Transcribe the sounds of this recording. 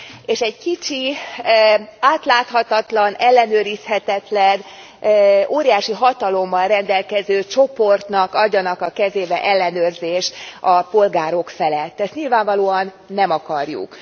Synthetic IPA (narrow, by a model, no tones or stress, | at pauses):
eːʃɛɟkit͡ʃi | aːt̪laːt̪hɒt̪ɒt̪lɒnɛlːɛnøːɾishɛt̪ɛt̪lɛn | oːɾijaːʃiɦɒt̪ɒlo̞mːɒlrɛnd̪ɛlkɛzøːt͡ʃo̞po̞rt̪nɒkɒɟːɒnɒkɒkɛzeːbɛʔɛlːɛnøːrzeːʃt̪ɒpo̞lɡaːɾo̞kfɛlɛt̪ːɛst̪ɲilvaːɱvɒloːɒnːɛmɒkɒrjṵk